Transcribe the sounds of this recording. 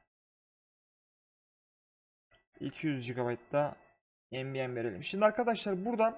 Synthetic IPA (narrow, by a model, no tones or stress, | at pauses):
ḭlʲcʰijyzd͡ʒiɡabajt̪d̪a | ɛnbijænve̞ɾe̞lʲḭmʃimd̪iaɾkʰad̪aʃlˠaɾbuɾd̪a